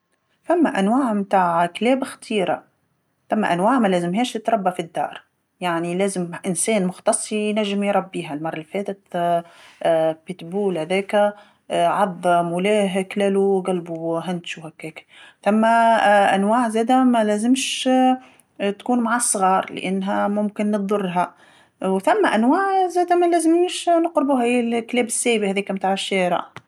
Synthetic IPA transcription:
θamːaʔanwaːʕmt̪aːʕkleːbxt̪ʰiːɾa̰ | θamːa̰ʔanwaːʕmælæːzɪmɦeːʃt̪ɪt̪ɾˤɑbːafid̪ːɑ̰ːɾˤ | jaʕnileːzɪmʔɪnseːnmʊxt̪ɑsˤːinaʒːɪmjɾˤɑbːiːɦalmɑrˤːɪlfeːt̪ɪt̪ | pɪt̪buːlhæðeːka | ʕɑd̪ˤːmʊleːɦklæluɡælbuɦænt̪ʃuhækːæːkθæmːæʔæ̰nwaːʕzæːd̪æmælæːzɪmʃ | t̪kuːnmaʕasˤːɣɑːɾˤlɪ̰ʔanːɦæmʊmkɪnːt̪d̪ˤʊrˤːɦæ | wθæmːæʔænwaːʕzæːd̪æmælæːzɪmʃnʊqɾɪbuɦæjːɪlklɛːbɪsːæːbihæːðiːkæmt̪aːʕɪʃːæːɾɑ̰ʕ

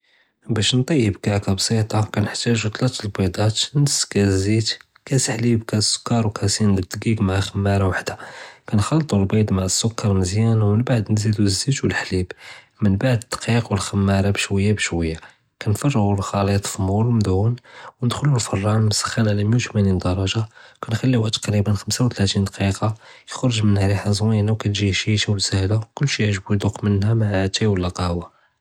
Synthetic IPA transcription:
bæʃnt̪ˤɑjːəbkaʕkæbsˤit̪ˤɑkænəħt̪æʒut̪ˤlæt̪lbɑd̪ˤɑt̪nəsːkæzit̪ | kæsħlibkæsːʊ̥kːɑɾˤwkʰæsinəd̪ɡiɡmaʕaxəmːæɾˤɑwaħd̪akænxɑlːt̪ˤulbid̪ˤmaʕəsːʊkːɑɾˤməzjænwmənbaʕd̪nzid̪uzːit̪wəlħlib | mənbaʕd̪ət̪ːqiqwəlxəmːæɾˤɑbʃwəjːabʃwəjːa | kænfɑrˤːɣulxɑlit̪ˤfmullmd̪unwnəd̪xʊlulfɑrˤːɑnmsə̥xːanʕalæməjuwt̪mænind̪ɑɾˤɑʒakænxælːiwæʔt̪ə̥qɾibənxəmsawt̪læt̪ind̪ɑqiqɑjəxɾˤəʒmənhɾiħazˤwinawkænʒiʃiʃæwsəhlakʊlːʃiʕʒbud̪oqmənhæmaʕʕæt̪æwəlːæqɑwa

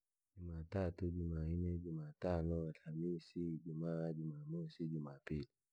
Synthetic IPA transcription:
d͡ʒumatatud͡ʒumainɛd͡ʒumatanɔalhamisid͡ʒumad͡ʒumamosid͡ʒumapili

